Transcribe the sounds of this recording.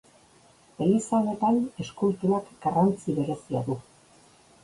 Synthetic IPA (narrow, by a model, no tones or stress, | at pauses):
e̞lisaone̞t̪ane̞skult̪uakɡarant͡siβe̞ɾe̞siaðu